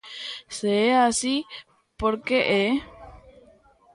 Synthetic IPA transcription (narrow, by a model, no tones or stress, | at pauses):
seeasi | poɾkeʔe